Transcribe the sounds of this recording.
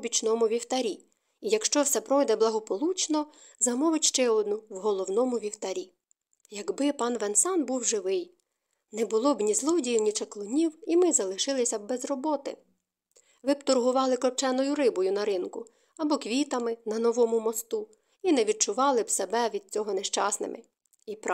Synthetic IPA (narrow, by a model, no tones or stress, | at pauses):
bʲit͡ʃnɔmʊʋʲiwt̪ɐɾʲi | ijɐkʃt͡ʃɔwsɛpɾɔjd̪ɛblˠɐɦɔpɔlˠut͡ʃnɔ | zɐmɔʋɪtʲʃt͡ʃɛɔd̪nʊwɦɔlˠɔwnɔmʊʋʲiwt̪ɐɾʲi | jɐɡbɪpɑnʋɛnsɑnbuwʒɪʋɪj | nɛbʊlˠɔbnʲizlˠɔdʲijiwnʲit͡ʃɐklˠʊnʲiwimɪzɐlˠɪʃɪlˠɪsʲɐbɛzrɔbɔt̪ɪ̰ | ʋɪpt̪ʊrɦʊʋɑlˠɪklˠɔp̚t͡ʃɛnɔjʊɾɪbɔjʊnɐɾɪnkʊ | ɐbɔkʋʲit̪ɐmɪnɐnɔʋɔmʊmɔst̪u | inɛʋʲid̪̚t͡ʃʊʋɑlˠɪwsebɛʋʲid̪̚t͡sʲɔɦɔneʃt͡ʃɑsnɪ̰mʔɪ̰ | ip